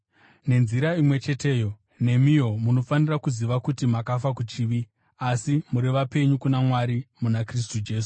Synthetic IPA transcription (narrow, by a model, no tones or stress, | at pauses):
ne̞nziɾaimwe̞t͡ʃe̞te̞ːjo̞ | ne̞mijo̞muno̞fanirakuziʋakutimakafakut͡ʃiːʋi | asimuɾeʋape̞ɲukunamwaɾimunakris̬tud͡ʒe̞ːs̬u̥